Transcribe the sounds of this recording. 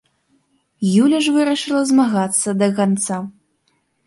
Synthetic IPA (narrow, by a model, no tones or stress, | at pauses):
julʲɐʂvɨɾɐʂɨlˠɐzmaɣat̪sːɐd̪ɐkant̪sa